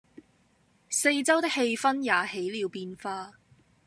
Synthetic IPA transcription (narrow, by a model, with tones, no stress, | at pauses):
se˧jt͡sɐ˥wt̪ɪ˥k̚he˧jfɐ˥njaː˨˩he˨˥jliː˨˧wpiː˧nfaː˧